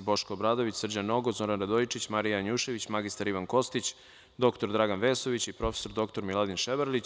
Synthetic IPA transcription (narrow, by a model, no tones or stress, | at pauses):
bo̞ʃkoːbɾaːd̪oʋit͡ɕsr̩d͡ʑanːo̞ɡozo̞ɾanɾad̪ojit͡ʂit͡ɕmaɾijaɲuʃe̞ʋit͡ɕmaɡist̪aɾiʋanko̞st̪it͡ɕ | d̪o̞kt̪o̞ɾd̪ɾaɡanʋeːso̞ʋit͡ɕipɾo̞fe̥so̞ɾd̪o̞kt̪o̞ɾmilˠad̪inʃebaɾlit͡ɕ